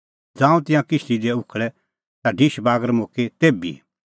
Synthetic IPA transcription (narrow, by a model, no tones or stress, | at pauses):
d͡zãːũt̪ɪ̃jãkɪst̪id̪eʊkʰɭɛ | t̪aɖʱɪʃbaːɡəɾmoːket̪eːbḭ